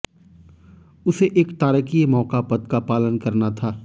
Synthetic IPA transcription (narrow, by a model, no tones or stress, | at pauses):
ʊseʔeːkt̪aːɾəkimɔːkapɐd̪̚kapaːlənkɐɾnat̪ʰaː